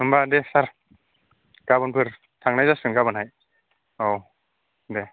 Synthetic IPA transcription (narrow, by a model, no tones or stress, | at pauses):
hɯmbadesaɾ | ɡ̥abɯnpʰɯɾ | tʰaŋnajzasɯŋɡabɯnɦaj | ow | de